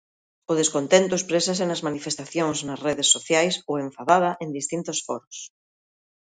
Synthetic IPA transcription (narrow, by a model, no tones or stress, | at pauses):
oðeskont̪ent̪ʊespɾes̬as̬enɐzmanifest̪aθjoŋznɐsreðesːoθjajsowẽɱfaðað̞ɐʔend̪ist̪int̪osfɔ̰ɾʊs